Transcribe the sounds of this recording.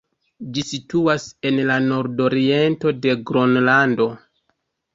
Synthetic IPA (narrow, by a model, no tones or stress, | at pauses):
d͡ʒisituase̞nlano̞ɾdo̞ɾie̞nto̞de̞ɡɾonlando̞